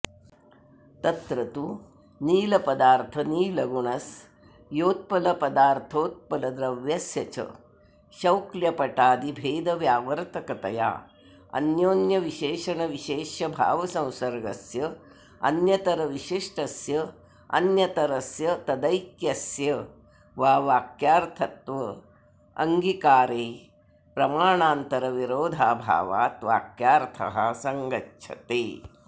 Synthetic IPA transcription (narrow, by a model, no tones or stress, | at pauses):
t̪ɐt̪ɾɐt̪u | niːlɐpɐd̪aːɾt̪ʰɐniːlɐɡuɳɐs | joːt̪̚pɐlɐpɐd̪aːɾt̪ʰoːt̪̚pɐlɐd̪ɾɐʋjɐsjɐt͡ʃɐ̰ | ʃɐwkljɐpɐʈaːd̪ibʱeːd̪ɐʋjaːʋɐɾt̪ʰɐkɐt̪ɐ̰ja̰ː | ɐ̰njoːnjɐʋiʃeːʃɐɳɐʋiʃeːʃɐbʱa̰ːʋɐsɐ̃w̃sɐɾɡɐsjɐ | ɐ̰njɐt̪ɐɾɐʋiʃiʂʈɐsjɐ | ɐ̰njɐt̪ɐɾɐsjɐt̪ɐd̪ɐjkjɐsjɐ | ʋaːʋaːkjaːɾt̪ʰɐt̪ʋɐ | ɐ̰ŋɡikaːɾeː | pɾɐmaːɳaːnt̪ɐɾɐʋiɾoːd̪ʱaːbʱa̰ːʋa̰ːt̪ʋa̰ːkjaːɾt̪ʰɐ̰ɦɐ̰sɐŋɡɐtːʃʰɐ̰t̪eː